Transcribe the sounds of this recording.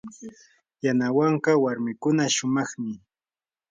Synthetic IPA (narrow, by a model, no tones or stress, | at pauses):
janawaɴqɑwaɾmɪkʊnaʃʊmɑχmɪ